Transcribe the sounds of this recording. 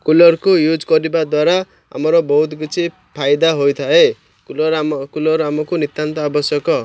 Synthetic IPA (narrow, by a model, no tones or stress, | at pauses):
kulʌɾkojud͡zkʌɾibad̪waɾa | a̰mʌɾʌbɔɦut̪ɡut͡sʰi | pʰajd̪aɦojt̪ʰae | kukulɔɾamɔkonit̪ːant̪ɔabʌsjʌkʌ